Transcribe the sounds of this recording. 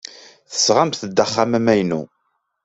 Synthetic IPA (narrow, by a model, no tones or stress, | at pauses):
θə̥sʁamθəd̪ːəχːamæmæjnṵ